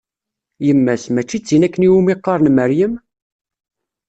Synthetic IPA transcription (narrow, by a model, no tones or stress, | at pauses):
jəmːæsmæt͡ʃːit͡sːinækːəniwumiqːɑɾˤnməɾjəm